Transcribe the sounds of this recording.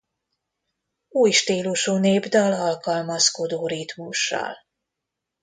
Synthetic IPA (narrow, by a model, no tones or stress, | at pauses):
uːjʃt̪iːluʃuːneːbd̪ɒlɒlkɒlmɒsko̞d̪oːɾit̪muʃːɒ̰l